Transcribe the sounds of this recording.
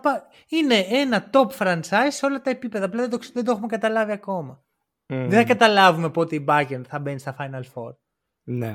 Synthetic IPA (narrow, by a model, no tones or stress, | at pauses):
pɐ | ine̞e̞nɐt̪o̞pfɾɐnt͡sɐizsːe̞o̞lɐt̪ɐe̞pipeðɐːplɐðed̪oðend̪oxumekɐt̪ɐlɐviɐko̞mɐ | ðeθɐkɐt̪ɐlɐvume̞po̞t̪eibɐcenθɐbe̞nist̪ɐfɐjnɐlfo̞ɾ | ne